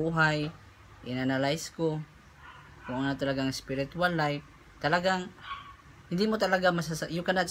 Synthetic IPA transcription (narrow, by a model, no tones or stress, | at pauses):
uɦaj | ʔɪnanalajsko | kʊŋʔonat̪alaɡaŋɪspɪɾɪt̪ualːajf | t̪alaɡaŋ | hɪnd̪imʊt̪alaɡamasasaʔjʊkana